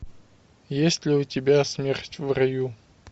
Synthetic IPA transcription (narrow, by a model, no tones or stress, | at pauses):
jesʲtʲlʲɪʊtʲɪbʲasmʲerʲtʲvrɐju